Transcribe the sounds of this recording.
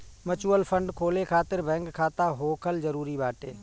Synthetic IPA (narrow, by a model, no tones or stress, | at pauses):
mət͡ʃuːəlpʰə̃ɳɖkʰoːlekʰaːt̪ɪɾbɛ̃ːŋkʰːaːt̪aɦoːkʰəlzəɾuːɾibaːʈḛː